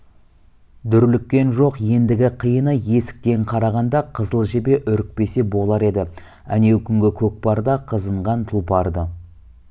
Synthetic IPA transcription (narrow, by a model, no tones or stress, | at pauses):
d̪ʏɾlɪkʲːe̞nʒo̞qje̞nd̪ɪɡʲɪqʰəjənəje̞sɪ̥k̚t̪e̞ɴqʰɑɾɑʁɑnd̪ɑqʰəzəlˠʒe̞be̞ʔʏɾɪk̚pe̞se̞bo̞lˠɑɾe̞d̪ɪ | æne̞wkʲʰʏŋɡʲɪkʲʰɵk̚pɑɾd̪ɑqʰəzəɴʁɑnt̪ʰulˠpʰɑɾd̪ə